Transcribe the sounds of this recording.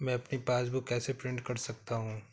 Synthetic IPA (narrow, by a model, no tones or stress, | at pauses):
mɛ̃ɐpnipaːsbukɛːsepɾɪ̃ɳɖkɐɾsɐk̚t̪aɦũː